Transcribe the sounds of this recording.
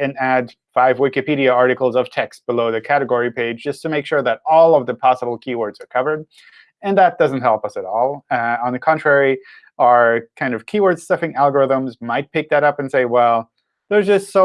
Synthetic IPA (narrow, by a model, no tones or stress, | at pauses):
ɨ̃næd | faɪvwɪkɨpiɾiɨɑɹɾɨkl̩ˠzʌv̥tʰɛkst̚b̥əloʊðɨkʰæɾɨɡɔɹipʰeɪdd͡ʒd͡ʒʌstʰɨmeɪkʃʊɹðɨɾɔlˠʌvðɨpʰɑsəbl̩ˠkʰiwɔɹdzə˞kʰʌvə˞d̚ | ɨ̃nðət̚d̥ʌzn̩t̚ɦɛlˠpʌsɨɾɔlˠə̃nðɨkʰɑ̃ntɹ̥ɛɹi | əə˞kʰãɪ̃ndʌv̥kʰiwɔ˞d̥sʌfɪ̃ŋælˠɡə˞ɪðə̃mzmaɪt̚pʰɪk̚ðɨɾʌpɨ̃n̩seɪwɛlˠ | ðə˞zd͡ʒʌstsoʊ